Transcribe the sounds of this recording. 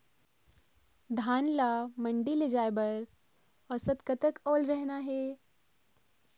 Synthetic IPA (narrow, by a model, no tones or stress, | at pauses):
d̪ʱaːnlamɐ̃ɳɖiled͡ʒaːebəɾ | ɔsət̪kɐt̪əkɔːlɾɛɦnaɦɛː